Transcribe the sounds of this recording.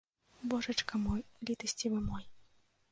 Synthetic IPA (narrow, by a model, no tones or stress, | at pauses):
bɔʐɐt͡ʂkɐmɔjlʲit̪ɐsʲt͡sʲivɨmɔj